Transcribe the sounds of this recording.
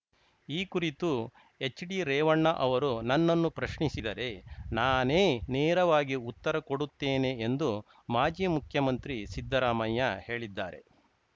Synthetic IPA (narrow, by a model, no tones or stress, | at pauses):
iːkuɾit̪u | e̞t͡ʃːɖiɾɛːʋɐɳːɐʔɐʋɐɾunɐnːɐnːupɾɐʃɳisid̪ɐɾe̞naːneːneːɾɐʋaːɡiut̪ːɐɾɐkoɽut̪ːeːne̞ːnd̪u | maːd͡ʒiːmukʰjɐmɐnt̪ɾisid̪ːɐɾaːmɐjːɐhe̞ːɭid̪ːa̰ːɾe̞̰